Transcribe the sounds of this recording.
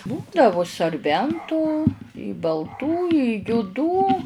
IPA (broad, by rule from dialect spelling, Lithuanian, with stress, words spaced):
ˈbuːdɐʋʊ sɐrʲˈbʲɛntuː bɐlˠˈtuː ɪ jʊˈduː